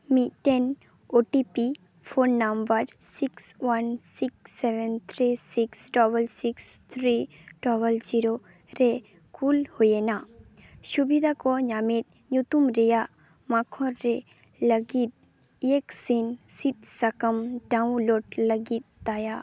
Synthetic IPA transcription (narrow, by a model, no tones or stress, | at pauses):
miʈen | oʈipi | fʰonːɐmbəɾsikswɐnsikseʋɛnt̪ʰɾisiksʈɔbəlsikst̪ʰɾi | ʈɔbəld͡ʒiɾo | ɾe | kulhojenaʃubid̪ʱakɔɲamet̪̚ | ɲut̪umɾeja | makʰɔɾːe | ləɡit̪̚ | eksinsit̪̚sɐkəmɖaũnloɖləɡit̪̚d̪aja